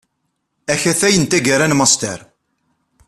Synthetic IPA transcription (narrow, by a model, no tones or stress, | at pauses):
æçæθæjənt̪æɡəɾænmɑst̪ə̰ɾ